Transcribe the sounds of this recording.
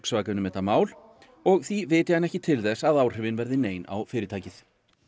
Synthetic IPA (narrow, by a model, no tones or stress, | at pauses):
ksvaːkanʏmɛːt̪amaːwl̥ | ɔɣθivɪːt̪ɪhanːɛhcɪt̪ʰɪlθɛsːaðaːwr̥ɪːvɪnvɛɾðɪneːjna̰wfɪːɾɪt̪ʰaːjcɪθ